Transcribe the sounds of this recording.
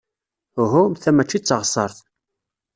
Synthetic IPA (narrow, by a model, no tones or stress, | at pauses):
ɦʊmθæmæt͡ʃːit͡sːʁsˤəɾˤθ